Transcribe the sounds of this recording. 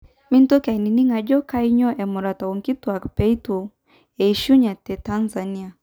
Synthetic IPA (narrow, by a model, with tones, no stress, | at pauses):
mi˦n˦tɔ˦ka˨i˨ni˨ni˦ŋa˨d͡ʒɔ˦ka˦i˦ɲɔ˦ʔɛ˨mɔ˨ɾa˨ta˨ɔ˨ŋki˦tu˨a˨kpɛ˦i˦tu˨ | ɛ˨i˨ʃu˦ɲa˨tɛ˨ta˦nza˨ni˦a˨